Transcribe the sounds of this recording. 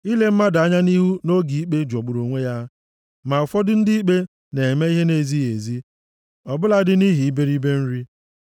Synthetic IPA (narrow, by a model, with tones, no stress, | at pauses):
i˦le˦m̩˦ma˦da˦ɲa˦ni˦ɦu˦no˦ɡi˨i˦k͡pe˦d͡ʒɔ˨ɡ͡bʊ˨ɾo˨ŋʷe˦ja˦ | ma˨ʊ˨fɔ˦dʊ˦n̩˦dɪ˦i˦k͡pe˦ | ne˨me˦i˦ɦe˦ne˨zi˦e˨zi˦ | ɔ˨bʊ˦la˦dɪ˦ni˦ɦi˨i˦be˦ɾi˦be˦n̩˦ɾi˦